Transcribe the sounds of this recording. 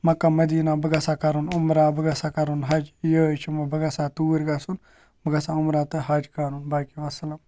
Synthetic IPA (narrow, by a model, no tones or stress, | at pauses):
mɐkːamɐd̪iːnabəɡɐsakɐɾunʊmɾaːbəɡɐsakɐɾunɦɐd͡ʒjət͡ʃʰimɐbəɡɐsat̪uːɾɡasun | bəɡɐsaʊmɾaːt̪ɨɦad͡ʒkaɾunbaːkiʋɐsɐlɐm